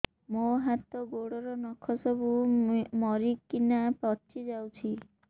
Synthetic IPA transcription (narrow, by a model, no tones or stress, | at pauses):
moɦat̪ɔɡoɽɔɾɔnɔkʰɔsɔbumɔɾikːinapɔt͡ʃʰid͡ʒawt͡ʃʰi